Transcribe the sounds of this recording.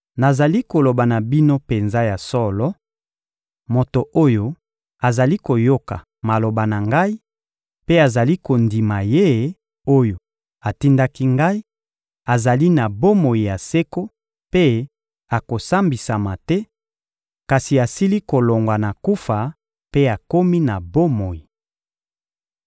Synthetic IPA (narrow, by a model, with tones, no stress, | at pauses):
na˨za˨li˦ko˨lo˨ba˨na˨bi˦no˦pe˨nza˦ja˨sɔ˦lɔ˦ | mo˨to˨ʔo˦jo˦ | a˨za˨li˦ko˨jo˦ka̰˨ | ma˨lo˨ba˨na˨ŋɡa˦i˦ | pe˦a˨za˨li˦ko˨ndi˨ma˨je˦ | o˦jo˨ | a˨ti˦nda˦ki˦ŋɡa˦i˦ | a˨za˨li˦na˨bo˦mo˨ji˨ja˨se˦ko˦ | pe˦ | a˨ko˨sa˦mbi˨sa˨ma˨tɛ˦ | ka˨si˨a˨si˦li˦ko˨lo˨ŋɡwa˨na˨ku˦fa˨ | pe˦a˨ko˦mi˦na˨bo˦mo˨ji˨